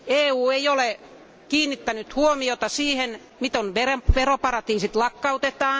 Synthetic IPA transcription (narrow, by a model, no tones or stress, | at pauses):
eːuːeijole | kiːnːit̪ːænyt̪huomiot̪ɑsiːhen | mit̪onʋereʋeropɑrɑt̪iːsit̪lɑkːɑut̪et̪ɑː